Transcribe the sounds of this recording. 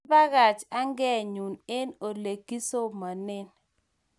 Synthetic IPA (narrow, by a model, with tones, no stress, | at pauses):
ba˦ɣa˨t͡ʃa˦ŋɡɛ˦ɲu˨ne˦no˨le˨ki˦so˦ma˨nɪ˦n